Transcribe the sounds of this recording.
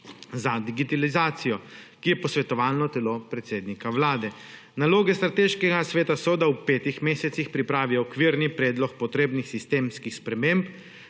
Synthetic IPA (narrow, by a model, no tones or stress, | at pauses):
zad̪iɡit̪alizaːt̪sijɔkijɛpɔsʋɛt̪ɔʋaːlnɔt̪ɛlopɾɛt̪seːd̪nikawlaːd̪ɛ | naloːɡɛst̪ɾat̪eːʃkɛɡasʋeːt̪asɔd̪awpeːt̪ixmeːsɛt̪sixpɾipɾaːʋiɔɔkʋiɾnipɾɛːd̪lɔk̚pɔt̪ɾeːbnixsist̪eːmskixspɾɛmemp